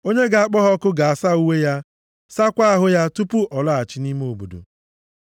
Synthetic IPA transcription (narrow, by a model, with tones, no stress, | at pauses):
o˦ɲe˦ɡa˨a˨k͡pɔ˦ɦɔ˦kʊ˦ɡa˨a˨sa˦u˦we˦ja˦ | sa˦kʷa˦a˦ɦʊ˦ja˦tu˦pu˦ʔɔ˨la˦a˨t͡ʃɪ˦ni˦m˦o˨bṵ˨dṵ˨